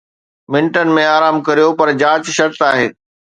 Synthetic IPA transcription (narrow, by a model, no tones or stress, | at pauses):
mɪ̃nʈənɪ̆mẽaːɾaːmkɐɾijopɐɾd͡ʑaːt͡ɕʃɐɾt̪aːɦeː